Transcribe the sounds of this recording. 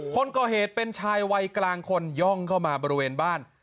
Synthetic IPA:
kʰo˧nkɔː˨˩ɦeː˨˩t̪̚pe˧nt͡ɕʰaː˧jwa˧jklaː˧ŋkʰo˧njɔ˥˩ŋkʰa˥˩wmaː˧bɔː˧ɾi˦˧weː˧nbaː˥˩n

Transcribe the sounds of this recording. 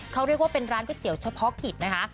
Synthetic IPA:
kʰa˦˥wɾi˥˩ək̚waː˥˩pe˧nɾaː˦˥nkɔː˥˩t̪i˨˩əwt͡ɕʰa˧pʰɔ˦˥kʰi˨˩t̪̚na˦˥kʰa˦˥

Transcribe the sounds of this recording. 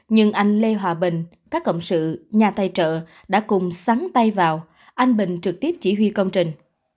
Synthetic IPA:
ɲɨ˧ŋʔa˧jŋ̟le˧ɦwaː˨˩ɓï˨˩ŋ̟ | kaː˦˥kːə̰˧˨wŋ͡msɨ̰˧˨ɲaː˨˩t̪a˧jt͡ɕə̰ː˧˨ | ɗa̰ː˧˥kʊ˨˩ŋ͡msaː˨˦ŋt̪a˧jvaː˨˩w | ʔa˧jŋ̟ɓï˨˩ŋ̟t͡ɕɨ˨˩k̚t̪i˦˥əp̚t͡ɕḭ˧˩ɦwi˧kə˧wŋ͡mt͡ɕï˨˩ŋ̟

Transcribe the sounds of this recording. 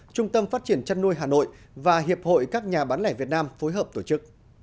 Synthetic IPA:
t͡ɕʊ˧ŋ͡mt̪ə˧mfaː˦˥t̚t͡ɕi˧˩ənt͡ɕa˧nu˧əjɦaː˨˩no̰˧˨j | vaː˨˩ɦi˨˩əp̚ho̰˧˨jkaː˦˥k̚ɲaː˨˩ɓaː˨˦nlɛ˧˩vi˨˩ət̚naː˧mfo˨˦jɦəː˨˩p̚t̪o˧˩t͡ɕɨ˦˥k̚

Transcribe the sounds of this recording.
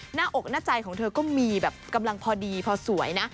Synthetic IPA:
naː˥˩ʔo˨˩k̚naː˥˩t͡ɕa˧jkʰɔː˩˦ŋt̪ʰɤː˧kɔː˥˩miː˧bɛː˨˩p̚ka˧mla˧ŋpʰɔː˧diː˧pʰɔː˧su˩˦əjna˦˥

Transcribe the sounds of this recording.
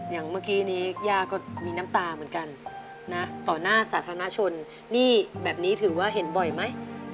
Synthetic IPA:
ja˨˩ŋmaː˥˩kiː˦˥niː˦˥˩jaː˥˩kɔː˥˩miː˧na˦˥mt̪aː˧mɯ˩˦ə˦nka˧nː | a˦˥t̪ɔː˨˩naː˥˩saː˩˦t̪ʰaː˧na˦˧˥t͡ɕʰo˧nː | iː˥˩bɛː˨˩p̚niː˦˥t̪ʰɯː˩˦waː˥˩ɦe˩˦nbɔ˨˩jma˦˥j

